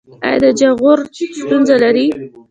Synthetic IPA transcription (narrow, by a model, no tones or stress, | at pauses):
a̰ja̰d̪əd͡ʒaɣoɾst̪unzalaɾi